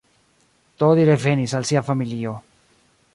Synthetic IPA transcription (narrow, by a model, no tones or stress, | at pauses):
t̪oðiɾefenisalsiafamilio